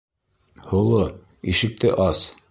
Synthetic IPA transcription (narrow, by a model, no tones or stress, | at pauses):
hŏlˠo | iʃɘ̆k̚t̪ɘʔɑs